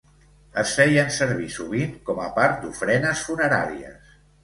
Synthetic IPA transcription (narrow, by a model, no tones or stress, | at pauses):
əsfɛjənsəɾβisuβ̞iŋkɔməpaɾt̪̚d̪ufɾɛnəsfunəɾa̰ɾiə̰s